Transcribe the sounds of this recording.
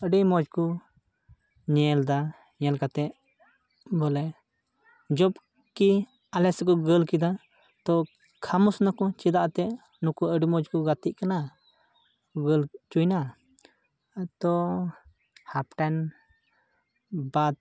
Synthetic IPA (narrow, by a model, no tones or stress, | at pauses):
əɖimɔd͡ʒkɔ | ɲɛld̪a | ɲɛlkat̪ɛʔ | bɔlɛ | d͡ʒɔb | ki | alɛsɛkɔɡəlkid̪a | t̪ɔ | kʰamusnakɔ̃t͡ʃid̪aʔt̪ɛ | nukuəɖimɔd͡ʒkɔɡat̪iʔkana | ɡəlt͡ʃujna | t̪ɔ | hapʈɛn | bad̪̚